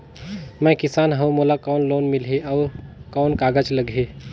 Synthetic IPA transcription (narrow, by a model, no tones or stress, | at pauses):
mə̃jkisanɦəwmolakɔwnlonmilɦeəwkankaɡət͡ʃləɡʱɦe